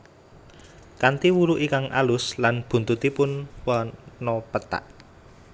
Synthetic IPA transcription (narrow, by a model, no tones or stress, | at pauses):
kant̪iwuɾuʔikaŋʔa̰lʊslanb̥ṳnt̪ut̪ipʊnwanɔpət̪a̰ʔ